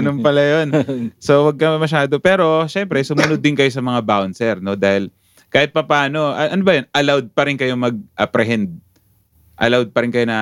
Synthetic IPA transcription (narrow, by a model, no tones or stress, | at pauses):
ɐnonpɐlɐjonso̞wɐɡ̚kɐmɐmɐʃaːd̪o̞pɛːɾo̞ʃɛmpɾɛsʊmʊnod̪̚ːɪnkɐjo̞sɐmɐŋabawnsɛɾno̞d̪aːhɪl | kaːhɪt̪̚pɐpaːno̞ʔɐʔɐnobɐjɐnʔɐlawd̪̚pɐɾɪnkɐjo̞mɐɡ̚ʔɐpɾɛɦɛnd̪̚ | ʔɐ̰lawd̪̚pɐɾɪnkɐjo̞nɐ